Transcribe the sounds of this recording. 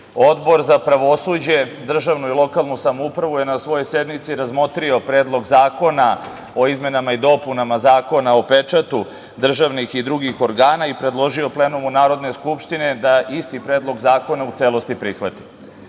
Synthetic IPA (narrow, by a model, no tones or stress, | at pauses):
o̞d̪bo̞ɾzapɾaʋo̞sud͡ʑe̞d̪r̩ʒaʋnuilˠo̞kalˠnusamoupɾaʋuje̞nasʋo̞jojse̞d̪mit̪siɾazmo̞t̪ɾio̞pɾe̞ːd̪lˠo̞ɡzaːko̞na | o̞izme̞namaid̪o̞punamazaːko̞nao̞pe̞t͡ʂat̪u | d̪r̩ʒaʋnixid̪ɾuɡixo̞ɾɡaːnaipɾe̞d̪lˠo̞ʒio̞ple̞ːnumunaːɾo̞d̪ne̞skupʃt̪ine̞d̪aist̪ipɾe̞ːd̪lˠo̞ɡzaːko̞naut̪seːlo̞st̪ipɾixʋat̪i̥